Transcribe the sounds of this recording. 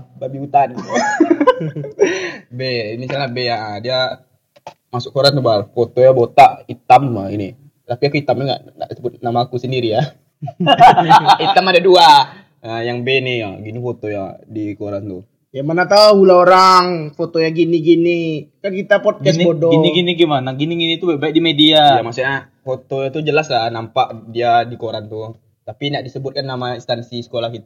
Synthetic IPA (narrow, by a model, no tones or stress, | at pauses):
babiut̪an | bemisalnabeaʔədia | masʊkoɾant̪ubalfot̪ojabot̪aʔit̪amaini | t̪apiakuit̪amduŋɡa̰ʔ | a̰subʊt̪namaːkusəndiɾija | it̪amadadua | əjaŋbenijaɡinifot̪oja̰dikoɾant̪u | jamanat̪ahulaoɾaŋfot̪ojaɡiniɡinikankit̪apɔd̚ɡɛsbodɔɡiniɡiniɡimanaɡiniɡinit̪ubaʔ̚baik̚dimediajamasua | fot̪ojat̪ud͡ʒəlaslanampaʔdiadikoɾant̪u | t̪apinaʔdisəbʊt̪̚kanːamainst̪ansisə̥kolahkit̪a